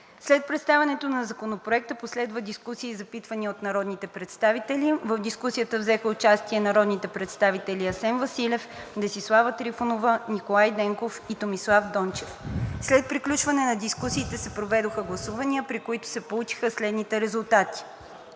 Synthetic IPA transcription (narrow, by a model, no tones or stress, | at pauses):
slɛt̪̚pɾɛt̪st̪avɛnɛt̪onɐzɐkonopɾoɛk̚t̪əposlɛd̪vəd̪iskusiːzɐpit̪vəniəot̪nɐɾɔd̪nit̪ɛpɾɛt̪st̪avit̪ɛlivəvd̪iskusijət̪əvzɛxəʊt͡ʃast̪iɛnɐɾɔd̪nit̪ɛpɾɛt̪st̪avit̪ɛlʲiɐsɛnvɐsilʲɛfd̪ɛsislˠavət̪ɾifonovənikolˠajd̪ɛŋkofit̪omislˠafd̪ɔnt͡ʃɛfslɛt̪̚pɾiklʲut͡ʃvɐnɛnɐd̪iskusiːt̪ɛsɛpɾovɛd̪oxəɡlˠɐsuvɐniəpɾikoit̪ʊ̥sɛpolˠut͡ʃi̥xəslɛd̪nit̪ɛɾɛzulˠt̪at̪i̥